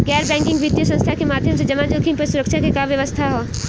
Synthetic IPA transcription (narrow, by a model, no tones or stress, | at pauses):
ɡɛːɾbɛ̃ːŋkɪ̃ŋɡʋɪt̪jəsə̃nst̪ʰakemaːd̪ʱjəmsed͡ʒɐmad͡ʒoːkʰĩmpɐɾsʊɾəkʃʰakekaʋjɐʋəst̪ʰaɦoː